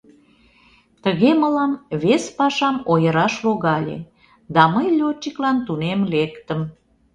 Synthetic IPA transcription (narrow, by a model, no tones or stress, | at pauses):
t̪əɣeməlɑmβespɑʃɑmojəɾɑʃloɣɑlʲḛ | d̪ɑməjlʲot͡ɕːiklɑnt̪unemlekt̪əm